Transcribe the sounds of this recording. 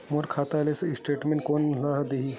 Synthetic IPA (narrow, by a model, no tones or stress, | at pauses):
moɾkʰaːt̪alesisʈeːʈmẽɳ̚koːnlaɦd̪iɦi